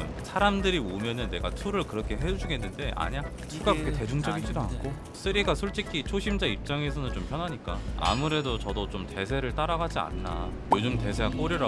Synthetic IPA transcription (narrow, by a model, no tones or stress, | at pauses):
sʰaɾamdɯɾiomjʌnɯnːe̞ɡatʰuɾɯɭkɯɾʌkʰe̞ɦed͡ʑud͡ʑuɡenːɯnde̞ʔa̰ɲa | sʰok͈akete̞d͡ʑuŋd͡ʑʌɡid͡ʑidoa̰nk͈ʰo | s͈ʰɯɾiɡasʰoɭt͡ɕ͈ikʰit͡ɕʰoɕʰimd͡ʑaip̚t͡ɕ͈aŋe̞sʰʌnɯnt͡ɕompʰjʌnɦaɲik͈aa̰muɾe̞dot͡ɕʌdot͡ɕomte̞sʰe̞ɾɯɭt͈aɾaɡad͡ʑia̰nːa̰jod͡ʑumte̞sʰe̞ak͈oɾiɾa